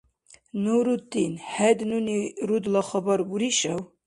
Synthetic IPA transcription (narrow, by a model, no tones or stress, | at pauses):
nuɾut̪inhɛd̪nuniɾud̪lɑχɔbɑɾbuɾiʃɛw